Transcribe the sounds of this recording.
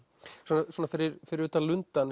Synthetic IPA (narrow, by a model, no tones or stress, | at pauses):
sɔːnasɔːnafɪɾɪɾfɪɾɪɾʏːt̪alʏnt̪an